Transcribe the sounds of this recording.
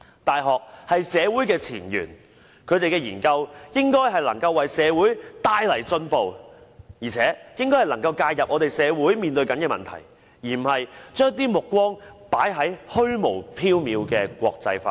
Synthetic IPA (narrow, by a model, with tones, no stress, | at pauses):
t̪aː˨jɦɔː˨k̚hɐ˨jsɛː˨˧wuː˨˥jkɛː˧t͡sʰḭː˨˩njy̰ː˨˩n | kʰɵ˨˧ɥt̪e˨jkɛː˧jiː˨˩nkɐ˧wjɪ˥ŋkɔː˥jɦɐ˨jlɐ˨˩ŋkɐ˧wːɐ˨jsɛː˨˧wuː˨˥jt̪aː˧jlɐ˨˩jt͡sɵ˧npo˨wjiː˨˩t͡sʰɛː˨˥jɪ˥ŋkɔ˥jhɐ˨˩lɐ˨˩ŋkɐ˧wkaː˧jɐ˨p̚ŋɔː˨˧t̪e˨jsɛː˨˧wuː˨˥jmiː˨nt̪ɵ˧ɥkɐ˨˥nkɛː˧mɐ̰˨nt̪ʰɐ̰˨˩j | jiː˨˩m̩˨˩hɐ˨jt͡ʃœː˥ŋt̪̬iː˥mʊ˨kːwɔː˥ŋpa̰ː˨˥jɦɐ˨˥jhɵ˥ɥmo˨˩wpʰiː˥wmiː˨˧wkɛː˧kʷɔ̰ː˧k̚t͡sɐ̰˧jfaː˧